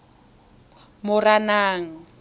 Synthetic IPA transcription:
mʊranaːŋ̩

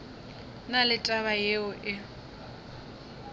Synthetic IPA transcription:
nalɪtʼaβajeʊʔɪ

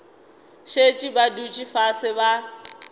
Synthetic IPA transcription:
ʃet͡ʃʼibadut͡ʃʼifasɪba

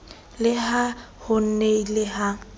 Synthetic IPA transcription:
lɪɦa | hʊn̩neilɪɦa

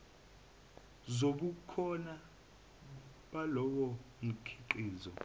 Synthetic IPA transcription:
zoɓukʰɔna | ɓalɔɓɔm̩kʰi̥ǃiːzɔ

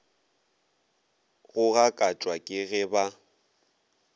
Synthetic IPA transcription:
ɣʊɣakʼat͡ʃʼwakʼɪɣɪba

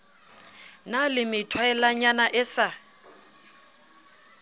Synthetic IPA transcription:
nalɪmɪtʰwaɛlaɲanaʔɪsa

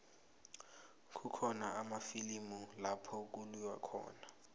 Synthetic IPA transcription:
kʰʼukʰɔnaʔamafilimulapʰɔk̬ʼuluwa̰kʰɔ̰ːna

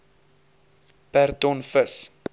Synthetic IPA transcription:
pærtɔnfəs

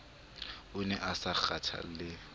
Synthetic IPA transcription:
ʊnɛʔasak͡xatʰa̰lɪ

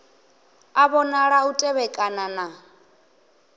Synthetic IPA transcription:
aβɔnaɺahutʼɛβɛkʼanana

